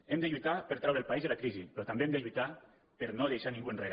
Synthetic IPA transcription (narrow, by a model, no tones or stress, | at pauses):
emd̪əʎuijt̪apəɾt̪ɾawɾelˠpaizelakɾizipɾɔt̪ambemd̪eʎuit̪a | pəɾnoðejʃanĩŋɡuenreɣ